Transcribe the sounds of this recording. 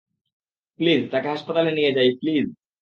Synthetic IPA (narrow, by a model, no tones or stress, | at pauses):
pliːzt̪akaɦaspət̪aleniɡad͡ʑaipliːz